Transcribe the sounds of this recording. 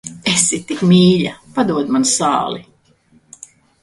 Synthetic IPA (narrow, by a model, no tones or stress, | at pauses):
esitt̪ːikmʲiːʎapad̪uɔd̪mansɑ̰ːlˠi